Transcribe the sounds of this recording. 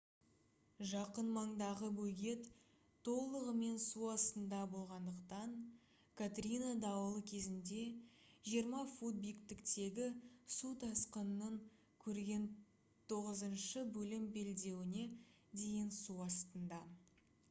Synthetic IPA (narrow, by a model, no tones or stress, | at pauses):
ʒɑqənmɑɴd̪ɑʁəbɵɡʲe̞t̪ʰː | o̞lˠəʁəme̞nsuɑst̪ənd̪ɑbo̞lˠʁɑnd̪əqt̪ɑɴ | kʰat̪rʲinad̪ɑwəlˠəkʲʰe̞zɪnd̪e̞ʒijəɾmɑfud̪̚bijkt̪ɪkt̪e̞ɡʲɪsut̪ʰɑsqənːəŋ | kʲʰɵɾɡʲe̞n | t̪ʰo̞ʁəzənʃəbɵlɪmbe̞ld̪e̞wɪne̞ | d̪e̞jɪnsuɑst̪ənd̪ɑ